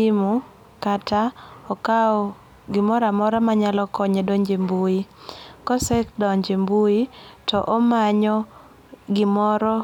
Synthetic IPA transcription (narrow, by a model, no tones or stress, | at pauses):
imu | kataɔkaɔ | ɡɪmɔɾamɔɾamaɲalɔkɔɲedɔɲd͡ʒembuikɔsɛkdɔɲd͡ʒembuitɔʔɔmaɲɔ | ɡɪmɔɾɔ